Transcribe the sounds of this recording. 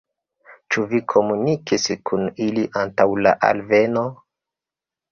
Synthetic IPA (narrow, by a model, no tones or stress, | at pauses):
t͡ʃuvikʰo̞munikiskʰuniliʔantawla̰ʔa̰lve̞no̞